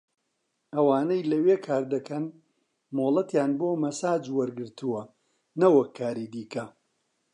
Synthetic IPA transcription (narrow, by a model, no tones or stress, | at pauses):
ɐwaːnɐjlɐweːkʰaːɾd̪ɐkʰɐn | moːlˠɐt̪jaːnboːmɐsaːd͡ʒwɐɾɡɨɾt̪ʰuwɐ | nɐwɐkʰːaːɾid̪iːkɐ